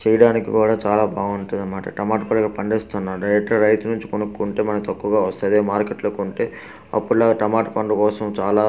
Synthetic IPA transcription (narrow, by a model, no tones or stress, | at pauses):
t͡ʃɛjɐɽaːnikikuːɽaːt͡ʃaːlaːbʱaːɡɐuɳʈund̪ɐnmaːʈɐ̰ʈɐmaːʈpɐɳɖɡɐpɐɳɖeːst̪unːaːɾɖɐjɾek̚ʈɐɾɐjt̪unuɲt͡ʃi̥konukːuːɳʈe̞ːmɐnɐkt̪ɐkːuːɡaːʋɐst̪ɐɐd̪eːmaːɾkeʈloːkuɳʈe̞ː | ɐ̰pːuɽlaːɡaʈɐmaːʈpɐɳɖukɔːsɐmt͡ʃaːlaː